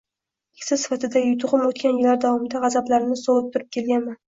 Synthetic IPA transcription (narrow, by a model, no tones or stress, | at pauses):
kʰʲsɪsɪ̥fat̪ɪd̪ajʊt̪ʰʊʁɨmot̪kʲʰanjɪlːaɾd̪avɒmɪd̪aʁɑzablaɾɪnɪz̥soɨp̚t̪ʰʊɾɪp̚kʲʰe̞lɡʲanman